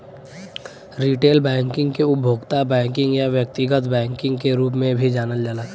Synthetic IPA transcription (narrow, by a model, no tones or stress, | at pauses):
ɾiːʈeːlbɛ̃ːŋkɪ̃ŋɡkeʊbʱoːɡt̪abɛ̃ːŋkɪ̃ŋɡjaʋjək̚t̪ɪɡət̪bɛ̃ːŋkɪ̃ŋɡkeɾuːpmẽbʱid͡ʒaːnəld͡ʒala